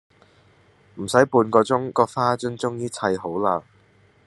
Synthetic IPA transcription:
m̩˨˩sɐ˨˥jpuː˧nkɔː˧t͡sʊ˥ŋkɔː˧k̚faː˥t͡sɵ˥nt͡sʊ˥ŋjiː˥t͡sʰɐ˧jɦo˨˥wlaː˧

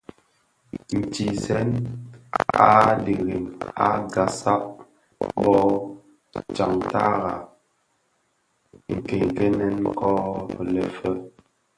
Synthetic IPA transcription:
n̩˨ti˨zɛ˦n | a̰˦di˨ɣi˨ŋa̰˦ɡa˨sa˦ʔ̚ | bɔ˦ | t͡ʃa˨ŋta˦ɣa˨ | ŋ̩˨kɛ˨ŋ˨kɛ˦nɛ˦n̩˦kɔ˦˨lɛ˨fə˦

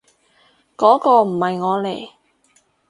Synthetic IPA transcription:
kɔː˨˥kɔː˧m̩˨˩hɐ˨jŋɔː˨˧le˨˩j

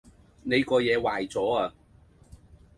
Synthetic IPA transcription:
ne˨˧jkɔː˧jɛː˨˧waː˨jt͡sɔː˨˥aː˨˧

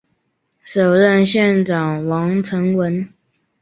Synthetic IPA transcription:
ʂo˨˩ʊɻə˥˧nɕjɛ˥˩nʈ͡ʂɑ˨˩ŋwɑ˧˥ŋʈ͡ʂʰə˧˥ŋwə˧˦˥n

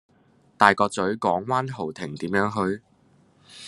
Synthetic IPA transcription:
t̪aː˨jkɔː˧t͡sɵ˨˥ɥkɔː˨˥ŋwaː˥nɦo˨˩wt̪ʰɪ˨˩ŋt̪iː˨˥mjœː˨˥ŋɦɵ˧ɥ

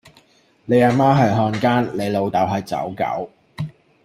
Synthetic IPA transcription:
le˨˧jaː˧˩maː˥ɦɐ˨jɦɔː˧nkaː˥nle˨˧jlo˨˧wt̪ɐ˨˥wɦɐ˨jt͡sɐ̰˨˥wkɐ̰˨˥w

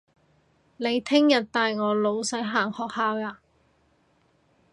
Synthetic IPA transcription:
ne˨˧jt̪ʰɪ˥ŋjɐ˨t̚t̪aː˨jŋɔː˨˧lo˨˧wsɐ˨˥jɦaː˨˩ŋhɔː˨˧k̚haː˧waː˨˧

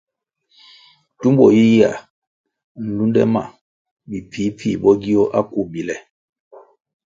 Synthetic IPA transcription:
tu˦mbɔ˨ji˦ja̰˨ | n̩˨lu˦ndɛ̰˦ma̰˨ | mi˨pʰi˨˦pʰḭ˦˨bɔ˦ɡi˦ɔ˦ʔa˦ku˨bi˨lɛ˨

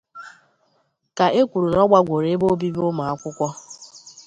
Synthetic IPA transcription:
ka˨e˦kʷu˨ɾu˨ɾɔ˦ɡ͡ba˦ɡʷo˨ɾe˨˦bo˦bi˦bʊ˦ma˨a˦kʷʊ˦kʷɔ˦

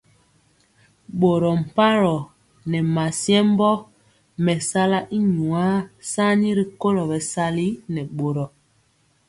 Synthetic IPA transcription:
ɓo˨ɾɔ˨m̩˨pa˦ɾɔ˨ | nɛ˨ma˨sjɛ˦m̩˦bɔ˦ | mɛ˨sa˦la˦ʔi˦ɲu˨a˦sa˦ni˦ɾi˨ko˦lɔ˨bɛ˨sa˦li˦nɛ˨ɓo˨ɾɔ˨

